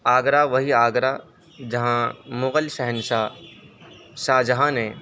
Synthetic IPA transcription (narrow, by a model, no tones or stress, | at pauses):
aːɡɾaʋɐɦiaːɡɾa | d͡ʒɐɦãmʊɣəlʃɛɦənʃa | ʃaːd͡ʒɐɦãnẽ